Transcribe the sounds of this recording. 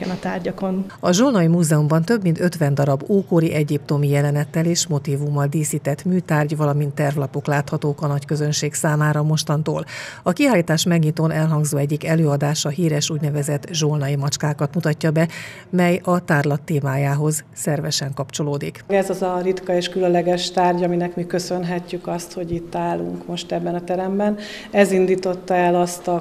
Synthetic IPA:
ɛnɒt̪aːrɟɒkonɒʒolnɒjimuːzɛumbɒnt̪ø̞bmint̪øt̪ʋɛnd̪ɒɾɒbːuːkoɾiʔɛɟip̚t̪o̞mijɛlɛnɛt̪ːɛleːʃmo̞t̪iːvumːɒld̪iːsiːt̪ɛt̪myːt̪aːrɟvɒlɒmint̪ːɛrvlɒpo̞klaːt̪hɒt̪oːkɒnɒckø̞zø̞nʃeːksaːmaːɾɒmo̞ʃt̪ɒnt̪o̰ːlɒkiaːlːiːt̪aːʃmɛɡɲit̪oːnɛlɦɒŋɡzoːɛɟːikɛløːɒd̪aːʃɒɦiːɾɛʃuːɟnɛvɛzɛt̪ʒolnɒjimɒt͡ʃkaːkɒt̪mut̪ɒcːɒbɛ | mɛjɒt̪aːrlɒt̪ːeːmaːjaːɦo̞zsɛrvɛʃɛŋkɒpt͡ʃo̞loːd̪ikɛzɒzɒrit̪kɒeːʃkylønllɛɡɛʃt̪aːrɟɒminɛkmikøsø̞nɦɛcːykɒst̪ho̞ɟit̪ːaːlṵŋkmo̞ʃt̪ɛbːɛnɒt̪ɛɾɛmbɛn | ɛzind̪iːt̪o̞t̪ːɒɛlɒst̪ɒ

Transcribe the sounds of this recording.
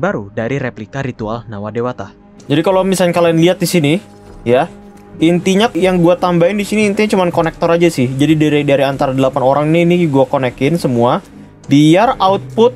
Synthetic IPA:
baɾudaɾiɾeplikaɾit̪ua̰lnawadewat̪ah | d͡ʒadikalowmisalɲkalanliat̪̚disini | ja | int̪iɲajaŋɡuat̪ambaɪndisiniːnt̪iɲat͡ʃumankonɛk̚t̪ɔɾad͡ʒasɪhd͡ʒadidiɾadaɾiant̪aɾadəlapanoɾaŋniːniɡuakonɛkɪnsəmua | biaraʊt̪̚pʊt̪̚

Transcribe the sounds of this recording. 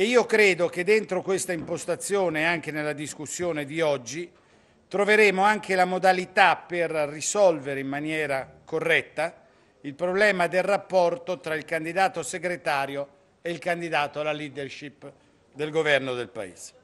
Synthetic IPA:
eiːokɾeːd̪ok̟ed̪ːent̪ɾokwest̪aimpost̪at̪sːjoːneaŋk̟enelːad̪iskusːjoːned̪iɔd͡ʒːi | t̪ɾoveɾeːmoaŋk̟ʰelamod̪alit̪apːerrːisɔlveɾeimmːanjɛːɾakorːɛt̪ːa | ilpɾoblɛːmad̪elrapːɔrt̪ot̪ɾailkand̪id̪aːt̪oseɡɾet̪aːɾjo | eilkand̪id̪aːt̪oalːaliːd̪erʃip | d̪elɡovɛrnod̪elpa̰ḛːz̥e̥

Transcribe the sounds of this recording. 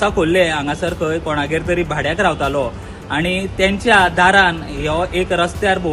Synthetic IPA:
sakʰolːeãŋɡãsəɾkʰəjkɔɽ̃aɡeɾt̪əɾiːbʱaɽjakɾaʋt̪alɔ | aɽ̃it̪jãɲt͡ɕjad̪ʱaɾanɦeʔekɾəst̪jaɾbʱo

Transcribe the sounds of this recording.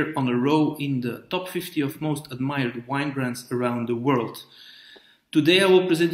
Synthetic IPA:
ɹə̃nəɹoʊʔɪ̃nðətɔpfɪftiɔvmoʊstʰəd̚maɪəɹd̚wãɪ̃nbɹæ̃nsə˞ãʊ̃nd̪ðəwɜ˞lˠd | tɨdeɪaɪwɪlˠpɹɛzɛ̃n

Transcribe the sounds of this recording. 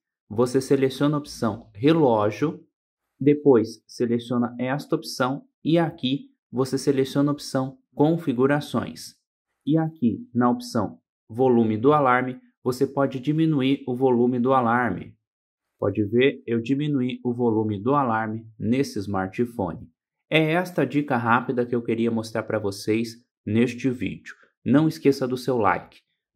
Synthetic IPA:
voseselesiõnɐopi̥sɐ̃w̃ɦelɔʒʊ | d̪epojsːelesiõnɐɛst̪ɐopi̥sɐ̃w̃ | ɪaki | voseselesiõnɐopsɐ̃w̃ | kõfiɡuɾasõ̰j̃s | ɪakinɐopsɐ̰̃w̃ | volũmɪd̪ʊalaɾmɪ | vosepɔd͡ʒɪd͡ʒimĩnuiɾʊvolũmɪd̪ʊalaɾmɪ̰ | pɔ̰d͡ʒɪveɾewd͡ʒimĩnuiʊvolũmɪd̪ʊalaɾmɪnesɪzmaɾt͡ʃifõ̰nɪ | ɛɛst̪ɐd͡ʒikɐɦapid̪ɐkɪewkeɾiɐmost̪ɾaɾpɾɐvosejs | nest͡ʃɪvḭd͡ʒʊ̥ | nɐ̃w̃ɪskesɐd̪ʊsewla̰jkɪ̥

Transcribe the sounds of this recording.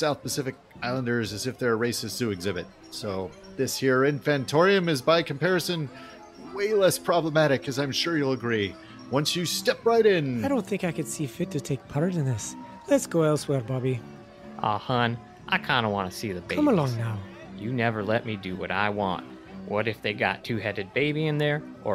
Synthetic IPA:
saʊθpɨsɪfɨk̚ | aɪlˠə̃ndə˞zɨzɨfðə˞ɹeɪsɨstʰɨɨɡzɪbɨt̚ | soʊ | ðɪshiɹɪ̃nfæ̃ntʰɔɹiɨ̃mɨzbaɪkʰm̩pʰɛɹɨsɨ̃n | weɪlɛspʰɹ̥ɑbləmæɾɨkʰɨzãɪ̃mʃʊɹjɨlˠəɡɹi | wʌ̃nsjɨstɛpɹaɪɾɪ̃nɪdɾõʊ̃nθɪ̃ŋkaɪkɨd̥sifɪtʰɨtʰeɪk̚pʰʌɾə˞ɾɨ̃nðɪs | lɨtsɡ̥oʊɛlˠswɛɹbɑbi | ʔɑ̰hʌ̃n | ʔaɪkʰãɪ̃ndəwɑ̃nɨsiðɨbkeʌ̃məlɔ̃ŋnaʊ | jɨnɛvə˞lɛt̚midɨwʌ̰ɾa̰ɪwɑ̰̃nt̚ | wʌɾɨfðeɪɡɑ̰tʰʉhɛɾɨd̚beɪbiɨ̃nðə˞ | ʔə

